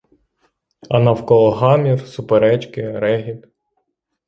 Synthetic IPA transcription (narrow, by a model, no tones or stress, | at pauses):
ɐnɑwkɔlˠɔɦɑmʲirsʊpeɾɛt͡ʃkɪɾɛɦʲip